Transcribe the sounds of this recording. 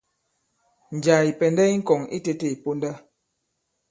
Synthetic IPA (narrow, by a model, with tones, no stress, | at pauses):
n̩˨d͡ʒa˨i˨pɛ˨nda˦i˦ŋ̩˦kɔ˨ŋḭ˦te˦te˦˨i˨po˦nda˦